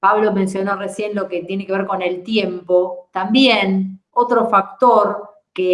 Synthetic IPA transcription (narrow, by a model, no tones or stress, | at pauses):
paβlo̞mẽ̞nsjo̞noresje̞nlo̞ket̪je̞nekeeɾko̞ne̞lt̪jempot̪ambjenot̪ɾo̞fak̚t̪oɾ | ke